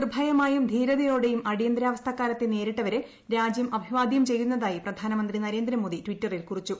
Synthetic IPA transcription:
rbʱɐjɐmaːjumd̪ʱiːɾɐðɐjo̞ːɽe̞jumɐɽijɐnd̪ɾaːʋɐst̪ʰɐkːaːlɐt̪ːene̞ːɾiʈːɐʋɐɾe | ɾaːd͡ʑjɐmʔɐbʱiʋaːd̪ʱijɐmt͡ɕe̞jːunːɐðaːjiprɐd̪ʱaːnɐmɐnd̪rinɐɾe̞ːnd̪ɾɐmoːd̪itʋitːɐrilkurit͡ɕːu

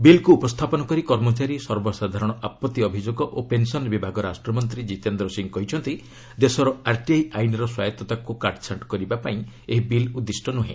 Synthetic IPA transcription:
bilkuːpɔst̪ʰapɔnɔkɔɾikɔɾmɔt͡ʃaɾisɔɾbɔsad̪ʱaɾɔɽ̃ɔʔapɔt̪ːiɔbʱid͡ʒoɡɔʔopensɔnbibʱaɡɔɾasʈɾɔmɔnt̪ɾid͡ʒit̪end̪ɾɔsiŋkɔɦit͡ʃʰɔnt̪i | d̪esɔɾɔaɾʈiejʔajnɾɔswajɔt̪ɔt̪akukaɾʈt͡ʃʰaʈkɔɾibapaĩ | eɦibilud̪ːisʈɔnuɦḛ̃

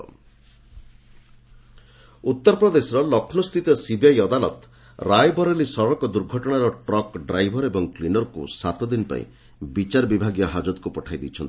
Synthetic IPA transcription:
ut̪ːɔɾɔpɾɔd̪esɔɾɔlɔkʰnɔst̪ʰit̪ɔsibjajɔd̪anɔt̪ | ɾajbɔɾelisɔɾɔɾɔkɔd̪uɾɡʱɔʈɔɽ̃aɾɔʈɾɔkɖɾajbʱɔɾebɔŋklinɔɾkṵsat̪ɔd̪inpa̰ḭ̃ | bit͡ʃaɾbibʱaɡijɔɦad͡ʒɔt̪kupɔʈʰajd̪ḭt͡ʃʰɔnt̪i

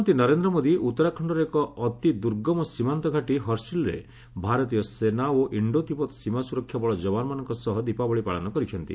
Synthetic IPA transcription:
nt̪inɔɾend̪ɾɔmod̪iut̪ːɔɾakʰɔɳɖɔɾekɔːt̪id̪uɾɡɔmɔsimant̪ɔɡʱaʈiɦɔɾsilɾḛ | bʱaɾɔt̪ijɔsenaoʔiɳɖot̪ipɔt̪simasuɾɔkʰːjabɔɭɔd͡ʒɔbanɔmanɔŋkɔsɔɦɔd̪ipabɔɭipaɭɔnɔkɔɾit͡ʃʰɔnt̪ḭ

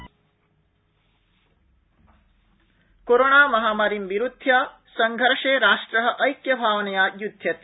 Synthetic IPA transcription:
koɾoɳaːmɐɦaːmaːɾimʋiɾud̪ʱjaː | sɐŋɡʱɐɾʂeːɾaːʂʈɾɐɦɐ̆ʔɐjkjɐbʱaːʋɐnɐjaːjud̪ʱjɐt̪i̥

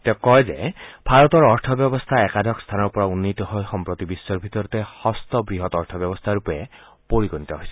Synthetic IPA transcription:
t̪ɛkɔjzeb̥ʱaɹɔt̪ɔɹɔɹtʰɔbjɔbɔst̪ʰaɛkad̪ʱɔkst̪ʰanɔɹpɔɹaunːit̪ɔɦojxɔmpɹɔt̪ibisːɔɹbʱit̪ɔɾɔt̪ehɔst̪ɔbɹiɦɔt̪ɔɹt̪ʰɔbjɔbɔst̪ʰaɹupɔe | poɹikɔnit̪ɔɦojsi

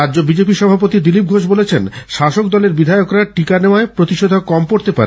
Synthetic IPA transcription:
adːd͡ʑobid͡ʑepiʃɔbʱapot̪id̪ilip̚ɡʱoʃ̬bolet͡ɕʰenʃaʃok̚d̪ɔleɾbid̪ʱajokɾaʈikaneoaepɾot̪iʃod̪ʱokɔmkoɾt̪epaɾe

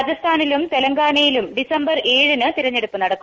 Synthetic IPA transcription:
d͡ʑɐst̪ʰaːnilumt̪e̞lɐŋɡaːɳɐjilumɖisɐmbɐrʔe̞ːɻɨnɨt̪iɾɐɲːe̞ɽupːɨnɐɽɐkːu

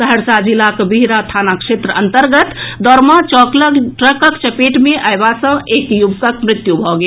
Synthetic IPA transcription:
səɦəɾsad͡ʒilːakbiɦɾat̪ʰanakʃet̪ɾəənt̪əɾɡət̪d̪ɔɾmãt͡ʃɔkləɡʈɾəkəkt͡ʃəpeʈmeʔajbasə̃ekjubkəkmɾɪt̪jubʱɔɡe

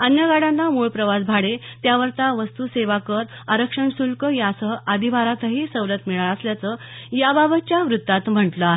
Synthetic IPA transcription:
ənjəɡaɽãnːamuɭpɾəʋasbʱaɽet̪jaʋəɾt̪aʋəst̪useʋakəɾ | aɾəkʂəɳsulkəjasəad̪ʱiʋaɾat̪əɦiːsəʋɾət̪miɭaɾəsljat͡səː | jababət̪t͡ɕjaʋɾut̪ːat̪m̤əɳʈləɦe

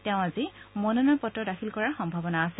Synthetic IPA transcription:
teʊ̃azimɔnɔnɔjpɔtːɔdaxʰilkɔɹaɹxɔmbʱabɔnaːsɛ

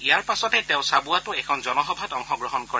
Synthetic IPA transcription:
ijaɹpasɔtɛtẽʊ̃sabuatʊɛkʰɔnzɔnɔɦɔbʱatɔŋxɔɡɹɔɦɔnkɔɹɛ

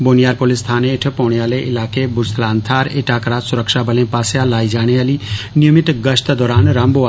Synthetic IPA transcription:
boːnijaːɾpolist̪ʰaːneːʈʰpɔwɽijaːleʔɪlaːkebʊɾsʰlaːnt̪ʰaːɾeʈʰaːkɾaːsʊɾəkʃaːbəlẽːpaːsjalaːid͡ʒaːɽ̃ealinijəmit̪ɡəʃt̪d̪ɔːɾaːnɾamboa

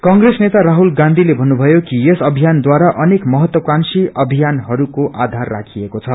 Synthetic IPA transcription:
kʌŋɡresnet̪aɾaɦulɡãnd̪ʱilebʱʌnːubʱʌjokijesʌbʱijand̪waɾaʔʌnekmʌɦʌt̪wʌkansiʌbʱijanɦʌɾukoʔad̪ʱarːa̰kʰiekot͡sʰʌ

